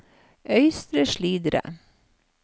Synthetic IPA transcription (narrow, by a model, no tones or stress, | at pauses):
ʔœʏst̪ɾəʃliːd̪ɾə̰